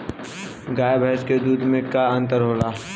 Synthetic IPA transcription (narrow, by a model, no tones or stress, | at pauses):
ɡaːebʱɛɦsked̪uːd̪ʱmẽkaɐ̃nt̪əɾɦoːlaː